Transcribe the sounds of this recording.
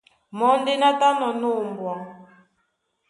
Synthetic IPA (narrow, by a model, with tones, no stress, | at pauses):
mɔ˨˦ndi˦na˦ta˦nɔ˨nu˦˨mbwɔ˨